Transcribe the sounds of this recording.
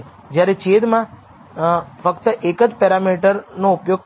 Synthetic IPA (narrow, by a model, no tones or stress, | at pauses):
d͡ʒjaɾet͡ʃed̪mã | fəkt̪əʔekəd͡ʒpɛɾamiʈəɾnoupjoɡ